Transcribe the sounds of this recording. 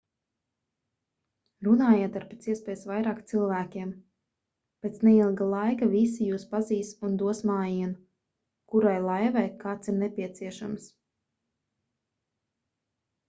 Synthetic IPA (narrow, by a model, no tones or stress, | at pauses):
ɾunaːjaːt̪aɾpet̪siɛspɛːjsvajɾaːkt̪silˠvæːkʲiɛm | peːt̪snɛilˠɡalˠajkavisijuːspaziːsund̪uɔsmaːjiɛn | kuɾajlˠajvɛjkaːt̪siɾnɛpiɛt̪siɛʃams